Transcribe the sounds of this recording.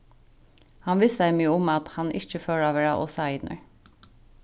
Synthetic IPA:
hɑnʋɪsæɪmyːəʊmɑt̪hɑnɪ̰t͡ʃəføːlɑːʋəɖɑːʔo̰ːsɑːɪd̪nə̰ɹ

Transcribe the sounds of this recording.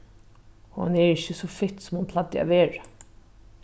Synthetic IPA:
hɑ̰nɛːɹɪçəsɔfɪt̪ːsɔmhʊnpʰlɑd̪ə̰ɑ̰ʋeːɹə

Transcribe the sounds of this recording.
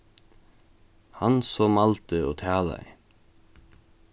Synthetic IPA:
hansɔːmalt̪əɔːt̪ʰæːla̰ḭ

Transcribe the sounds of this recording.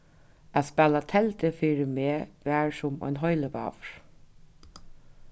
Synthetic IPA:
æspɛːlat̪ʰɛlt̪ɪfiːɾɪmeːʋæːɹsʊmɔ̰jnɦɔjləpɑ̰ːʋɹ̥

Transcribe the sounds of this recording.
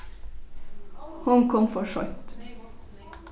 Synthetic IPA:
hʊnkʰɔmfɔʃɔ̰ʏt̪

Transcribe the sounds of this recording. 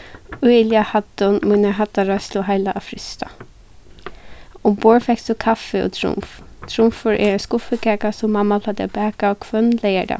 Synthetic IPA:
ʊɪljahad̪ɔnmujnaɦat̪aɾasluɦajlaʔafɾɪst̪a | ʊmboːɹfɛksʊkʰafɛɔ̰t̪ʰɾʊ̰mft̪ʰɾʊmfʊɹʔɛ̰ɾɛskʊfəkʰɛːkasʊmːamːapʰlad̪abɛːkakʰvœnlɛjɛɾa̰

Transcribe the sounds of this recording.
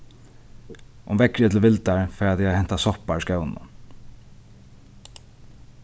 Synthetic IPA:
ʔʊmvɛkɾət̪ʰɪlʋɪlt̪aɹfɛːɹat̪jahɛn̥t̪asɔhpaɹskœwnʊ̰

